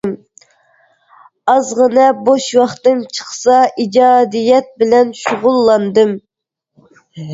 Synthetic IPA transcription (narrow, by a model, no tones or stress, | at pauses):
m | ɑzʁənɛboʃwɑχt̪ɨnt͡ʃʰə̥χsɑid͡ʒɑːd̪ijɛt̪̚bɪlɛnʃʊʁʊlˠːɑnd̪ɨm